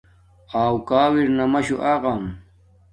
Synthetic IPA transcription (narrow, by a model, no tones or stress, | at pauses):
awkaːwiɾnɐmɐɕuʔaɣam